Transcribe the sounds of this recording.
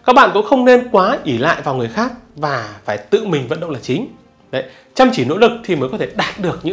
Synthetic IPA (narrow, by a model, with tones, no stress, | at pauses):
kaː˦˥k̚ɓa̰ː˧˨nkʊ̰˧˥ŋ͡mxə˧wŋ͡mne˧nkwaː˨˦ʔi˧˩la̰ː˧˨jvaː˨˩wŋɨ˨˩əjxaː˦˥k̚vaː˨˩faː˧˩jt̪ɨ̰˧˨mï˨˩ŋ̟və̰˧˨nɗə̰˧˨wŋ͡mlaː˨˩t͡ɕï˨˦ŋ̟ | ɗə˨˦j | t͡ɕa˧mt͡ɕi˧˩no̰˧˥lɨ˨˩k̚t̪ʰi˨˩mə˨˦kɔ˨˦t̪ʰe˧˩ɗaː˨˩t̚ɗɨ˨˩ək̚ɲɨ̰˧˥